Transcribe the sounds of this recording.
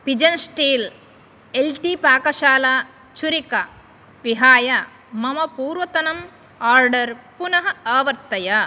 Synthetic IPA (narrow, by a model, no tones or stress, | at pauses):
pid͡ʒɐnsʈiːl | elʈipaːkɐʃaːla | t͡ʃuɾikɐ | piɦaːjɐ | mɐmɐpuːɾʋɐt̪ɐnɐm | aːɾɖɐɾpunɐɦɐaːʋɐɾt̪ːɐjɐ